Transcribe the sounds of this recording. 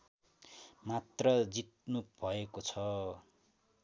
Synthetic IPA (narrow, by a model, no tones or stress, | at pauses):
mat̪rʌd͡zit̪̚nub̥ʱʌekot͡sʰʌ